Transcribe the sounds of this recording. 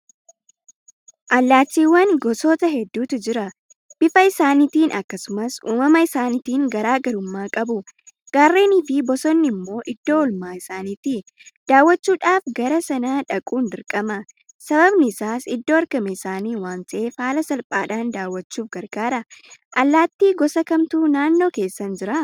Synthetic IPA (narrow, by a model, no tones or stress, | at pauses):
ʔɐlːaːt͡ʃːiːwːɐnɡɔsoːt̪ɐɦɛd̪ːuːt̪ɪd͡ʒɪɾɐ | b̥ɪfɐɪsaːnit̪iːnʔɐ̰kːɐsʊmɐsuːmɐmɐɪsaːnɪt̪iːŋɡɐɾaːɡɐɾʊmːaːkʼɐbʊ | ɡ̥aːrːeːnɪfɪbɔsɔnːɪmːo̞ːʔɪd̪̥ːo̞ːɔlmaːɪsaːniːt̪ɪ | d̪̥aːwːɐt͡ʃːuːᶑaːfɡɐɾɐsɐnaːᶑɐkʼuːnd̪ɪɾkʼɐmɐ | sɐbɐbnɪːsaːsɪd̪ːoːɐɾkɐmɛɪsaːniːwaːnsʼeːfaːlɐsɐlpʼaːᶑaːnd̪aːwːɐt͡ʃːuːfɡɐɾɡaːɾɐʔɐlːaːt̪ːiːɡɔsɐkɐmt̪uːnaːnːo̞ːke̞ːsːɐnd͡ʒɪɾa